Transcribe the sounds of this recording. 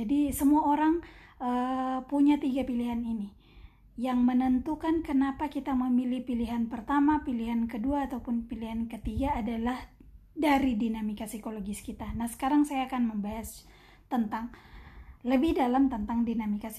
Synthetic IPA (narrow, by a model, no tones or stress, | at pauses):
d͡ʒadisəmuaoɾaŋ | ʔəpuɲat̪iɡapiliɦanini | jaŋmənənt̪ukankənapakit̪aməmilihpiliɦanpərt̪amapiliɦankəduaːt̪awpʊnpiliɦankət̪iɡaːdalah | daɾidinamikasikoloɡiskit̪anahsə̥kaɾaŋsajaːkanməmbaɦas | t̪ənt̪aŋ | ləbɪhdalamt̪ənt̪aŋdinamikas